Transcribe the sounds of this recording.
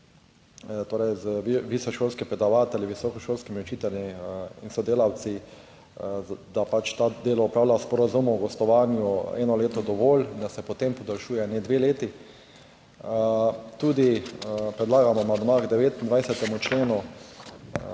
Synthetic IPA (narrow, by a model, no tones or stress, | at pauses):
t̪oːɾɛjzʋisɔʃoːlskipɾɛd̪aʋaːt̪ɛlʲiʋisɔkɔʃoːlskimiut͡ʃiːt̪ɛlʲiḭnsɔd̪eːlaw̪si | d̪apat͡ʃt̪ad̪eːlɔɔpɾaːwlaspɔɾazumɔwɡɔst̪ɔʋaːnjuɛ̰nɔleːt̪ɔd̪ɔʋoːlind̪asɛpɔt̪empɔd̪alʃuːjɛned̪ʋeːleːt̪i | t̪uːd̪ipɾɛd̪laːɡamɔnad̪maɡd̪ɛʋeːt̪ind̪ʋajsɛt̪ɛmut͡ʃleːnu